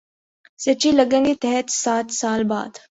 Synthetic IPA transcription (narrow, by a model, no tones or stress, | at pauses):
sɐt͡ʃilɐɡə̃ŋɡit̪ɛɦɛt̪saːt̪saːlba̰ːd̪